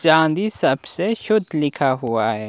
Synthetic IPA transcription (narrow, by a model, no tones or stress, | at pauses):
t͡ʃãːnd̪isɐbseʃʊd̪ʱlɪkʰaɦuaɦɛː